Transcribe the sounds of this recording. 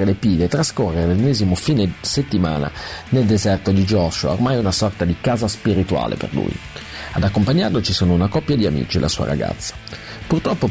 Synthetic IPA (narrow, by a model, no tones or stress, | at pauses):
elepiːd̪eːt̪ːɾaskorːeɾelenːɛːzimofiːneset̪ːima̰ːna̰neld̪ezɛrt̪od̪id͡ʒɔʃoao̰rmajunasɔrt̪ad̪ikaːzaspiɾit̪ua̰ːlʔḛpḛrlṵːj̰ad̪akːompaɲːarlot͡ʃisoːnounakɔpːjad̪iamḭːt͡ʃilʔa̰suːa̰ɾa̰ɡa̰t̪sːḁ | purt̪ɾɔpːo